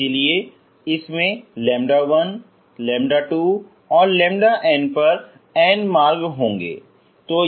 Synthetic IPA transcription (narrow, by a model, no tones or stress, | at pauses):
elie | ɪsmẽlɛ̃ːmɖaʋɐn | lɛ̃ːmɖaʈuː | ɔːɾlɛ̃ːmɖaʔɛ̃ːnpɐɾ | ɛːnmaːɾɡɦõːŋɡḛː | t̪oː